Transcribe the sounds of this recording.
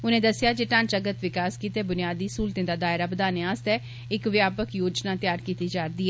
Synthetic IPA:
ʊnẽːd̪əsɪjaːd͡ʒeːʈãːnt͡ʃəɡət̪ʋɪkaːskiːt̪eːbʊnɪjaːd̪iːsuːlt̪ẽːd̪aːd̪aːɪɾaːbəd̪aːneaːst̪ɛː | ɪkʋjaːpəkjoːd͡ʒnaːt̪ɪjaːɾkiːt̪iːd͡ʒaːɾd̪iːɛː

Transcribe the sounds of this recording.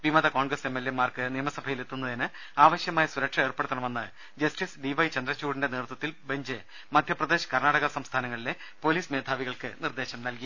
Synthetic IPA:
ʋimɐd̪ɐkoːɳɡrɐsemːelːemaːrkɨnijɐmɐsɐbʱɐjilet̪ːunːɐðinɨ | aːʋɐɕjɐmaːjɐsuɾɐkʂɐeːrpe̞ɽut̪ːɐɳɐmʋenːɨ | d͡ʑɐstisɖiʋɐjt͡ɕɐnd̪rɐt͡ɕːuːɽinde̞neːrt̪wɐt̪ːilbe̞ɲd͡ʑɨ | mɐd̪ʱjɐprɐd̪eːɕɐ̥kɐrnaːɽɐɣɐsɐmst̪ʰaːnɐŋːɐɭile̞ | po̞ːliːsmeːd̪ʱaːʋiɣɐɭkɨnird̪e̞ːɕɐmnɐlki

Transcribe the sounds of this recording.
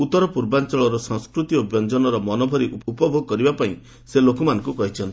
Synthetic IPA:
ut̪ːɔɾɔpuɾbant͡ʃɔɭɔɾɔsɔ̃ŋskɾut̪iobjɔnd͡ʒɔnɔɾɔmɔnobʱɔɾiʔuupɔbʱoɡɔkɔɾibapaĩ | selokɔmanɔŋkukɔɦit͡ʃʰɔnt̪i

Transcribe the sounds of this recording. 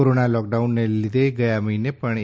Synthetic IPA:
oɾonalɔk̚ɖaunːelid̪eɡəjamiinepəɳ

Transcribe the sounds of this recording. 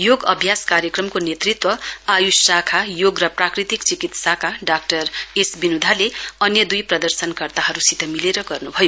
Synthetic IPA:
joɡʌbʱjaskaɾjekrʌmkonet̪rit̪wʌajussakʰajoɡrʌprakrit̪ikt͡sikit̪sakaɖak̚ʈʌresbinud̪ʱaleʌnjʌd̪ujprʌd̪ʌrsʌnkʌrt̪aɦʌɾusit̪ʰʌmileɾʌɡʌrnubʱʌjo

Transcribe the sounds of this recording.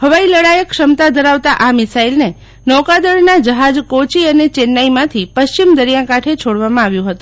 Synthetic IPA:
ɦəʋailəɽajəkʃəmt̪ad̪ʱəɾaʋt̪aʔamɪsailne | nɔkad̪əɽnad͡ʒəɦad͡ʒkot͡ʃiənet͡ʃenːaimãt̪ʰipəʃt͡ʃimd̪əɾijakaʈʰet͡ʃʰoɽʋamãaʋjũɦət̪ũ

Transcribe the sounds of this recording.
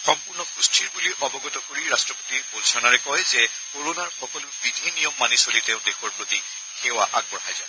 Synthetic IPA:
xɔmpuɹnɔkɹustʰiɹbuliʔɔbɔɡɔtɔkoɹiɹastɹɔpotibolzʰɔnaɹɛkɔjzɛ | koɹonaɹxɔkɔlʊbidʱinijɔmːanisolitɛʊ̃dexɔɹpɹoti | xewaʔa̰ɡ̚bɔɹɦajza

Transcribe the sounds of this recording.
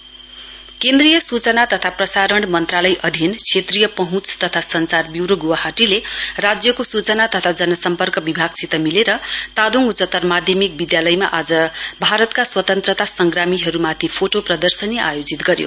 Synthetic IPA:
kend̪rijʌsut͡sʌnat̪ʌt̪ʰaprʌsaɾʌɳɖmʌnt̪ralʌjʔʌd̪ʱinkʰet̪rijʌpʌɦũt͡st̪ʌt̪ʰasʌnt͡sarbiwɾoɡuwaɦaʈilerad͡zjʌkosut͡sʌnat̪ʌt̪ʰad͡zʌnʌsʌmpʌrkʌbibʱaɡsit̪ʌmileɾʌt̪ad̪uŋɡut͡sʌt̪ːʌrmad̪ʱjʌmik̚bid̪jalʌjmaʔad͡zʌbʱaɾʌt̪kaswʌt̪ʌnt̪rʌt̪asʌŋɡramiɦʌɾumat̪ʰipʰoʈoprʌd̪ʌrsʌniʔajod͡zit̪ɡʌɾjo̰

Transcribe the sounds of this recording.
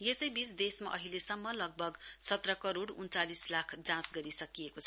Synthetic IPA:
jesʌjbisd̪esma̰ʔʌɦilesʌmːʌlʌɡ̚bʱʌɡsʌt̪rʌkʌɾoɽunt͡salislakʰd͡zãsɡʌɾisʌkijekot͡sʰʌ

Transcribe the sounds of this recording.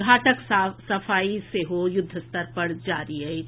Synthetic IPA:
aːʈəksasɐfaːiseɦojʊd̪ʱːəst̪əɾpɐɽd͡ʒaːɾiɦɛ

